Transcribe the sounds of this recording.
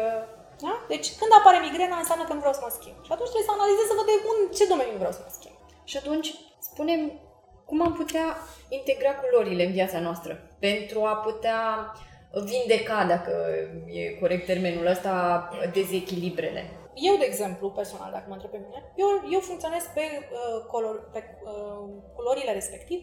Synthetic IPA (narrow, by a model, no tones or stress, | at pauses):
ə | d̪ad̪e̞t͡ʃʲkɨnd̪apaɾemiɡɾenaɨnsjʲamnəkənuvɾeawsəməskʲimbʃiat̪unt͡ʃt̪ɾeesəanalizezsəvəd̪eunt͡ʃe̞d̪o̞meninuvɾea̰wsəməskʲḭmb̥ | ʃiat̪unt͡ʃʲ | spune̞m | kumamput̪eaint̪e̞ɡɾakulo̞ɾile̞ɨnviat̪sanoast̪ɾəpe̞nt̪ɾuaput̪ea | vind̪e̞kad̪akəje̞̰ko̞ɾe̞k̚t̪ːe̞rme̞nuləst̪ad̪e̞ze̞kʲilibɾe̞̰le̞̰ | je̞wd̪e̞ːɡze̞mpluperso̞na̰ld̪akəmənt̪ɾepemine̞jewje̞wfuŋkt̪sionez̥̚pe̞kolope | əkulo̞ɾile̞ɾe̞spe̞kt̪iv